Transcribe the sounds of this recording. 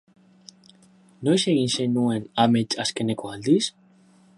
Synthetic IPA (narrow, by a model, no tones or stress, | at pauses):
nojseɣinsenuenamet͡ʃaskenekoald̪is